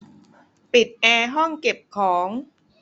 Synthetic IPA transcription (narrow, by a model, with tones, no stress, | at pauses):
pi˨˩t̪̚ʔɛː˧ɦɔ˥˩ŋke˨˩p̚kʰɔː˩˦ŋ